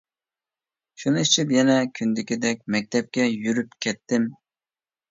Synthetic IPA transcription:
ʃunɨit͡ʃʰipjɛnɛkʲʰynd̪ɪkʲid̪ɛk̚ʲmɛk̚ʲt̪ʰɛp̚kʲɛjyɾypkʲʰɛt̪ʰːɪm

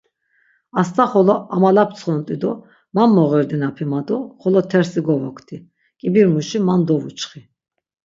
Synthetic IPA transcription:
ast̪ʼaχɔlɔamalap̚ʰt͡sʰχɔnt̪ʼid̪ɔ | mamːɔʁɛɾd̪inapʰimad̪ɔχɔlɔt̪ʰɛɾsiɡɔvɔkʰt̪ʰi | kʼibiɾmuʃimand̪ɔvut͡ʃʰχi

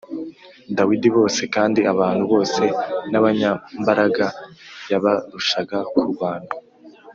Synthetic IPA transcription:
dawidiβo̞ːse̞kaːndiaβaːn̥huβo̞ːse̞naβaɲambaɾaɡajaβaɾuʃaɡakʰuβaːn̥hu

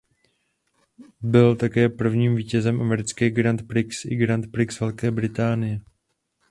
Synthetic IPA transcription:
bɪlt̪akɛːpr̩vɲiːmviːcɛzɛmʔamɛɾɪt͡skɛːɡɾant̪pɾɪksɪɡɾant̪pɾɪksvɛlkɛːbɾɪt̪aːnɪjɛ

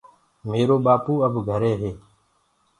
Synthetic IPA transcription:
meːɾoːɓaːpuːəbʱɡʱəɾeːɦeː

